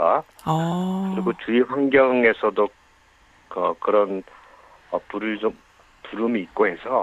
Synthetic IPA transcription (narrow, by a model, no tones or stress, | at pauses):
a̰ | kkɯɾiɡot͡ɕuiɸwaŋɡjʌŋe̞sʰʌdo | kʌkɯɾʌn | ʌpuɾɯɭt͡ɕom | puɾumiːt̚k͈oɦe̞sʰʌ